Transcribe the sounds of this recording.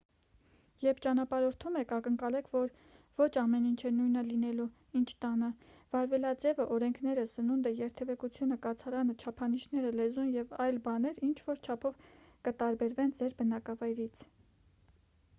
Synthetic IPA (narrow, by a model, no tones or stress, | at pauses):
jɛɾpʰt͡ʃɑnɑpɑɾɔɾt̪ʰumɛkʰɑkəŋkɑlɛkʰvɔɾ | vɔt͡ʃʰɑmɛnint͡ʃʰɛnujnəlinɛlu | int͡ʃʰt̪ɑnəv̥ɑɾvɛlɑd͡zɛvəʔɔɾɛŋkʰn̪ɛɾəsənund̪əjɛɾt̪ʰɛvɛkut͡sʰjunəkɑt͡sʰɑɾɑnət͡ʃʰɑpʰɑniʃnɛɾəlɛzunjɛvɑjlbɑnɛɾint͡ʃʰvɔɾt͡ʃʰɑpʰɔv | kət̪ɑɾbɛɾvɛnd͡zɛɾbənɑkɑvɑjɾit͡sʰ